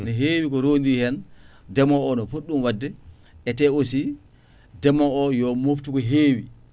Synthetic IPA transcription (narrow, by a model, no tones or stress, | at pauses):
nɔɦeːwikɔɾoːndihɛndɛmɔɔnɔfoɗːumwadːɛ | ʔɛtɛosi | dɛmɔʔɔjɔmoftukɔɦeːwi